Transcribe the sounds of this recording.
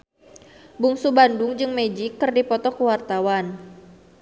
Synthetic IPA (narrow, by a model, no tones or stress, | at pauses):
buŋsubandʊŋd͡ʒɨŋmed͡ʒikːɨrdipɔt̪ɔkəwart̪awan